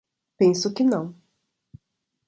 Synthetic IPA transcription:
pẽsʊkɪnɐ̃w̃

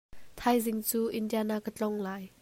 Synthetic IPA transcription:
t̪ʰajzɪŋt͡suːʔɪndianakːət͡ɬɔŋlaːj

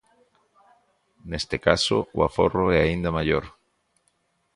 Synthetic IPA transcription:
nest̪ekasoua̰fo̰roɛaind̪amaʎoɾ

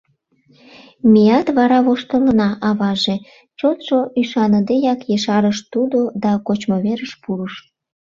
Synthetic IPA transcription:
mijɑt̪βɑɾɑβoʃt̪əlnɑʔɑβɑʒe | t͡ɕot̪ʃoʔyʃɑnəd̪ejɑkjeʃɑɾəʃt̪ud̪od̪ɑkot͡ɕmoβeɾəʃpuɾəʃ

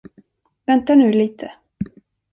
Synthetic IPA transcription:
vɛnt̪aɳʉ̟ːliːt̪ʰə

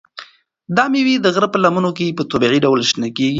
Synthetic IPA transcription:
d̪ɑmewid̪əɣɾəpəlamunok̬epət̪obiʕiɖawlʃnakeɡi

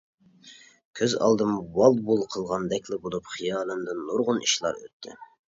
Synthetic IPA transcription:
kʲʰøzɑ̰lˠd̪ɨmwɑlˠbulˠqʰəlˠʁɑnd̪ɛkʲʰlɪbolˠupχijɑːlˠɨmd̪ɨnːoɾʁʊnḭʃlˠɑ̰ɾø̰t̪ʰːɪ̰

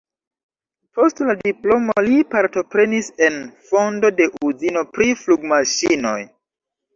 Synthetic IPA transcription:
po̞stladiplo̞molipaɾto̞pɾe̞nise̞nfo̞ndo̞de̞ʔuzino̞pɾifluɡmaʃino̞̰j

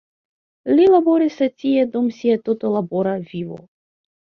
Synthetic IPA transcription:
lʲilaboɾisɛt̪ʲijɛd̪omsʲiɛt̪ot̪olˠaboɾavʲivo̰

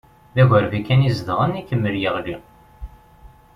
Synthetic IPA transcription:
ðæʝəɾvikːænizðʁənikːəmːəljəʁli

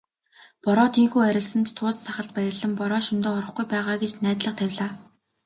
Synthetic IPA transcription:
pɔɾɔːt̪ʰiːŋxuːæɾʲɪ̆ɮsə̆nt̪t̪ʰːʊːt͡ssaχə̆ɮt̪̚pæjə̆rɮə̆mpɔɾɔːʃɵnt̪oːɔɾɞ̆χɡujpæːʁaːɡet͡ɕnæːt̪ɮə̆q̚t̪ʰæwʲɮaː

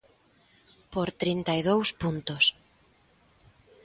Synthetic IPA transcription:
poɾt̪ɾint̪ajðowspunt̪ʊs

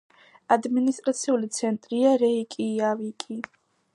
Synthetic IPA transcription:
ad̪minist̪ʼɾat̪sʰiulit̪sʰɛnt̪ʼɾiaɾɛikʼiavikʼi

